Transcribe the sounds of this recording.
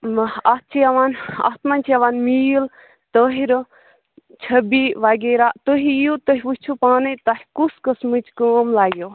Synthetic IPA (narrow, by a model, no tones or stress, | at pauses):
at̪̚t͡ʃʰiɐʋaːna̰t̪manʲt͡ʃʰiɐʋaːnmiːl | t̪əɦiɾ | t͡ʃʰɐbiʋaɡeːɾaːt̪oɦijut̪əɦiʋusʲt͡ʃʰupaːnɨt̪ahikuskəsmɨt͡ʃkəːmlaːɡjoː